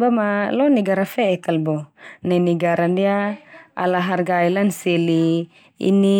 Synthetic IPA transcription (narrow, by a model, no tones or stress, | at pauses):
bamalɔniɡaɾafɛkalbonainiɡaɾandiaa̰laɦarɡailanseli | ḭni